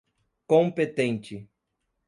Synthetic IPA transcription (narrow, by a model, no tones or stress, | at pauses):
kõmpet̪ẽnt͡ʃɪ